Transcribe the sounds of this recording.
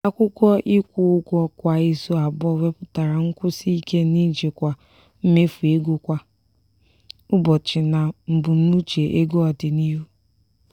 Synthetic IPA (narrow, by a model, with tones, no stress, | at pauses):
a˦kʷʊ˦kʷɔ˦ʔɪ˦kʷʊ˦ʊ˦kʷɔ˦kʷa˨i˦so˦a˨bɔ˦we˦pʊ˦ta˨ɾa˨ŋ̩˦kʷʊ˦si˦i˦ke˦ni˦d͡ʒe˨kʷa˨ | m̩˦me˦fu˨e˦ɡo˦kʷa˦ | ʊ˦bɔ˨t͡ʃɪ˨na˨m̩˨bu˨n̩˦u˦t͡ʃe˨ʔe˦ɡo˦ɔ˨dɪ˨ni˦ɦu˦